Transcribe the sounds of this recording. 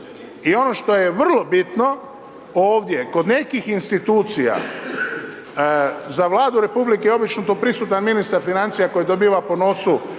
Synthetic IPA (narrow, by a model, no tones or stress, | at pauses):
io̞no̞ʃt̪o̞jeʋr̩lˠo̞bit̪no̞ | oːʋd̪je̞ko̞d̪ne̞kixinst̪it̪uːt̪sija̰ | zaʋlˠaːd̪uɾe̞publikeo̞bit͡ʃnot̪oːpɾisuːt̪anminist̪aɾfinant̪sijako̞jid̪o̞biːʋapo̞no̞su